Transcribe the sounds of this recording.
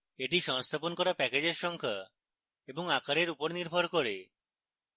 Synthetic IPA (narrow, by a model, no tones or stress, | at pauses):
eʈiʃɔŋst̪ʰaponkɔɾapɛked͡ʑeɾʃɔŋkʰa | eboŋakaɾeɾupoɾniɾbʱɔɾkoɾe